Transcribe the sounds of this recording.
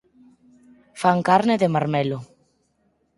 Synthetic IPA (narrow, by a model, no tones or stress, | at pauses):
faŋkaɾneðemaɾmelo